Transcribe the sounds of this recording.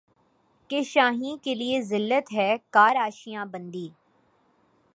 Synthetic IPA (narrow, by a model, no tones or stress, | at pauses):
keʃaːɦĩkeliezɪlːət̪ɦɛːkaːɾaːʃijãbɐ̃nd̪iː